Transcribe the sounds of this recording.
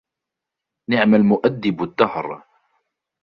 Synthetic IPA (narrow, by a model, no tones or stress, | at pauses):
nɪʕmalmʊʔad̪ːɪbad̪ːɑhɾˤ